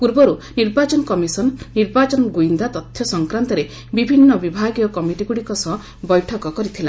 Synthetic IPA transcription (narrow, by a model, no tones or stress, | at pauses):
puɾbɔɾuniɾbat͡ʃɔnɔkɔmisɔnːiɾbat͡ʃɔnɔɡuind̪at̪ɔt̪ʰːjɔsɔŋkɾant̪ɔɾe | bibʱinːɔbibʱaɡjɔkɔmiʈiɡuɽikɔsɔɦɔ | bɔjʈʰɔkɔkɔɾit̪ʰila